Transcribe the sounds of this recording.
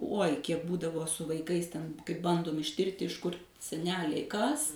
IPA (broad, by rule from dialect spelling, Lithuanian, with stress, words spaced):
ˈuɔj ˈkʲiɛk ˈbuːdɐʋoː sʊ ʋɐɪˈkɐɪs ˈtʲɛn kɐɪ ˈbɐndoːm ɪʃʲˈtʲɪrʲtʲɪ ɪʃ kʊr sʲɛˈnʲæːlʲɛɪ kɐs